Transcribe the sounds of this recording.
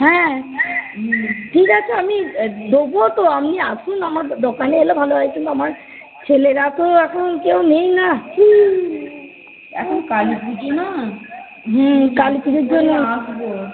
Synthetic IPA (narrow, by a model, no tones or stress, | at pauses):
ɦɛ̃ | ʈʰikat͡ɕʰeamid̪obot̪oamniaʃunamaɾd̪okaneelobʱaloajkʰent̪amaɾ | t͡ɕʰeleɾat̪oɛkʰonkewnejna | ɛ̰kʰonkalpidina | ɦkalpid̪eɾd͡ʑonːoaʃbo